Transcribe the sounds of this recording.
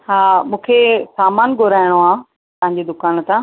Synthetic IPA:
ɦaːmũːkʰesaːmaːnɡʱoɾaːɪɽ̃oaː | t̪ɐɦɪ̃ɲd͡ʑed̪ʊkaːnt̪ã

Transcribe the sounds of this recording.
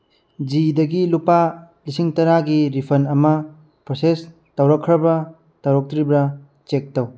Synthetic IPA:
d͡ʒidɐɡilupa | lisiŋtɐɾaɡiɾipʰɐnɐmɐ | pɾoses | tɐwɾɐkʰːɾɐbɐ | tɐwɾɐk̚tɾibɾɐ | t͡ʃek̚tɐw

